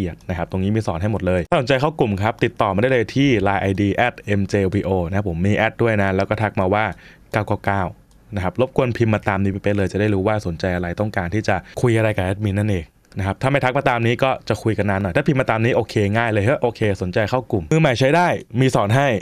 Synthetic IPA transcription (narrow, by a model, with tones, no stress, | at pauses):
ʔi˨˩ət̪̚na˦˥kʰa˦˥p̚t̪o˧ŋiː˦˥miː˧sɔː˩˦nɦa˥˩jmo˨˩t̪̚lɤː˧j̪ʰaː˥˩so˩˦nt͡ɕa˧jkʰa˥˩wku˨˩mkʰa˦˥p̚t̪i˨˩t̪ːɔː˨˩ma˧da˥˩jləː˧jt̪ʰiː˥˩laː˧jʔa˧jdiː˧ʔɛː˦˥˩t̪̚ʔe˧mt͡ɕeː˧wiː˧ʔoː˧na˦˥˦pʰo˩˦mːiː˧ʔɛː˦˥t̪̚du˥˩əjna˦˥lɛː˧˦˥wkɔː˥˩t̪ʰa˦˥k̚maː˧waː˥˩ | kaː˥˩wkɔː˥˩kaː˥˩w | na˦kʰa˦˥p̚lo˦˥p̚kʰu˧ənpʰi˧mːaː˧t̪aː˧mniː˦˥pa˧˩pa˧nlɤː˧jt͡ɕa˨˩daː˥˩jɾuː˦˥waː˥˩so˩˦nt͡ɕa˧jʔa˧ɾa˧jt̪ɔ˥˩ŋkaː˧nt̪ʰiː˥˩t͡ɕa˨˩kʰu˧jʔa˧ɾa˧jka˨˩ʔɛː˦˥mi˧˥nːa˥˩nʔeː˧ŋ̚ | na˦˥kʰa˦˥pt̪ʰaː˥˩ma˥˩jt̪ʰa˦˥k̚maː˧t̪aː˧mniː˦˥kɔː˥˩t͡ɕa˨˩kʰu˧jka˧nːaː˧˥nːɔ˨˩jt̪aː˥˩pʰi˧mːaː˧t̪aː˧mniː˦˥ʔoː˧kʰeː˧ŋaː˥˩jlɤː˧jʔɤ˦˥ʔoː˧kʰeː˧so˨˩˦nt͡ɕa˧jkʰa˥˩wku˨˩mmɯː˧ma˨˩jt͡ɕʰa˦˥jdaː˥˩jmiː˧sɔː˩˦nɦa˥˩j